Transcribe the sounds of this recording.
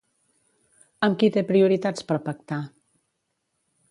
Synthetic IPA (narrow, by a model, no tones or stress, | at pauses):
əmkit̪epɾiuɾit̪at͡spəɾpək̚t̪a